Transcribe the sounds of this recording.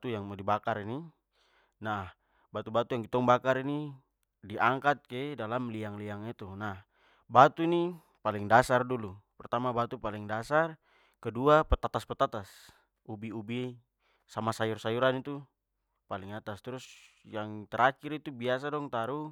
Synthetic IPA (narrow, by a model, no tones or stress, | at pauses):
t̪ujaŋmdibakaɾini | nah | bat̪ubat̪ujaŋɡit̪ɔŋbakaɾini | diʔaŋkat̪̚kɛdalamliaŋliaŋit̪unah | bat̪uni | paliŋdasardulupɛrt̪amabat̪upaliŋdasar | kɛduapɛt̪at̪aspɛt̪at̪as | ubiubi | samasajursajuɾanit̪u | paliŋat̪ast̪ɾusjaŋt̪ɛɾʔakiɾit̪ubias̬adɔŋt̪aɾu